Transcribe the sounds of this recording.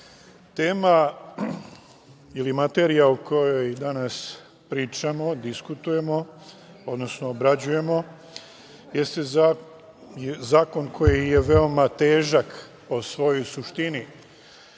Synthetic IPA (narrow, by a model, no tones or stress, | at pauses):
t̪e̞ːma | ilimat̪e̞ɾijaukʰo̞jojd̪anas | pɾiːt͡ʃamo̞d̪iskut̪uje̞mo̞ | o̞d̪no̞snoːbɾad͡ʑuje̞mo̞ | je̞st̪e | jzaːko̞nkʰo̞jije̞ʋe̞omat̪eːʒak | po̞sʋo̞jo̞jsuʃt̪ini